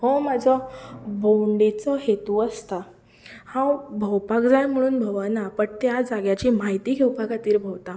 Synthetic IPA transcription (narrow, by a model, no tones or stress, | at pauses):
ɦɔ̃mad͡zʱɔbowɳɖet͡sɔɦet̪uəst̪a | hãwbʱəwpakd͡zajm̤əɽ̃uːnbʱəʋanapəɳt̪jad͡zaɡjat͡ɕiːmaɦit̪iːɡʱewpakat̪iːɾbʱəwt̪a